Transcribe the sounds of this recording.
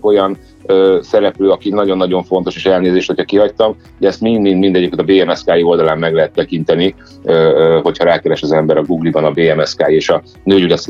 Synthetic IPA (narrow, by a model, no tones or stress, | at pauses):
ko̞jɒn | øsɛɾɛpløːɒkinɒɟo̞nːɒɟo̞ɱfo̞nt̪o̞ʃeːʃɛlneːzeːʃt̪ho̞cʰɒkiɦɒct̪ɒm | d̪ɛɛst̪mind̪mind̪mind̪ɛɟikːent̪ɒbeːɛmɛskaːjio̞ld̪ɒlaːmːɛɡlɛɦɛt̪ːɛkint̪ɛni | ɦo̞cʰhɒɾaːkɛɾɛʃɒzɛmbɛɾɒɡuːɡlibɒnɒbeːɛmɛskaːjeːʃɒ | nøːjydɛs